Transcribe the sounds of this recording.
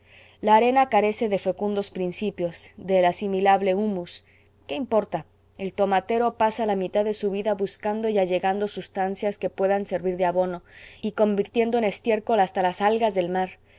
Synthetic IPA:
laːɾe̞nakaɾe̞se̞ðe̞fe̞kund̪o̞spɾinsipjo̞zðe̞lasimilaβle̞umus | ke̞impo̞ɾt̪a | e̞lt̪o̞mat̪e̞ɾo̞pasalamit̪aðe̞suβ̞iðaβuskand̪o̞iaʝe̞ɣand̪o̞sust̪ansjaske̞pwe̞ðanse̞ɾβiɾðeaβo̞no̞iko̞mbiɾt̪je̞nd̪oene̞st̪je̞ɾko̞last̪alasalɣazðe̞lmaɾ

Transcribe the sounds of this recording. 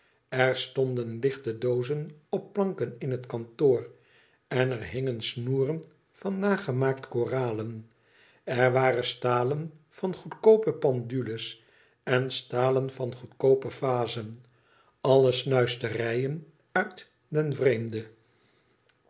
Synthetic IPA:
ɛɹstɔndənlɪχtədowzənɔpːlɑŋkənɪnɦətkɑntoːr | ɛnɛrɦɪŋənsnuːrən | v̥ɑnːaːχəmaːktkoːraːlən | ɛɹʋaːrəstaːlən | v̥ɑnχutkowpəpɑndyləs | ɛnstaːlənvɑnχutkowpəfaːzən | ɑləsnœɥstərɛjən | œɥt | dɛnvrejmdə

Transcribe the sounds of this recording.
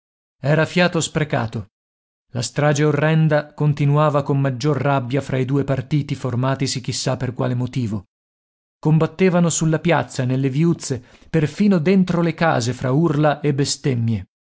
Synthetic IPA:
ɛːɾafjaːt̪ospɾeka̰ːt̪o | last̪ɾaːd͡ʒeorːɛnd̪akont̪inuaːvakomːad͡ʒːorːabːjafɾʔaid̪uːepart̪iːt̪iformaːt̪isik̟ːisːapːerkwa̰ːlemot̪iːvo | kombat̪ːeːvanosulːapjat̪sːanelːeviut̪sːe | perfiːnod̪ent̪ɾoleka̰ːzefɾʔaurlaʔebːest̪emːje

